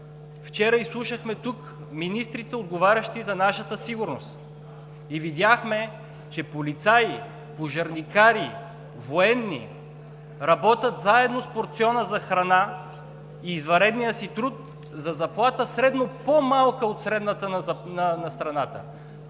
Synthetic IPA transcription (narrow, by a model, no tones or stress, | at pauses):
ft͡ʃɛɾəislˠuʃəxmɛt̪uk | minist̪ɾit̪ɛod̪ɡovaɾʲɐʃt̪izɐnaʃət̪əsiɡʊɾnost̪ | ivid̪ʲjaxmɛ | t͡ʃɛpolit̪saji | poʒɐɾnikaɾi | voɛnːḭ | ɾɐbɔt̪ʲət̪zaɛd̪nospoɾt̪siɔnəzɐxɾɐna | iːzvɐɾɛd̪nijəsit̪ɾut̪ | zɐzɐplˠat̪əsɾɛd̪nopomalˠkəot̪sɾɛd̪nət̪ənɐnɐnɐst̪ɾɐnat̪ə̰